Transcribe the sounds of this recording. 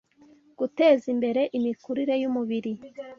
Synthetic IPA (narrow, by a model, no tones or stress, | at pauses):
ɡ̥ute̞ːzimbe̞ɾe̞ʔimikuɾiɾe̞jumuβiɾi